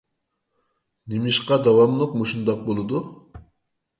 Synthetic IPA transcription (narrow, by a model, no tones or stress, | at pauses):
nimiʃqɑd̪ɑwɑmlˠuq̚moʃund̪ɑq̚bolˠud̪u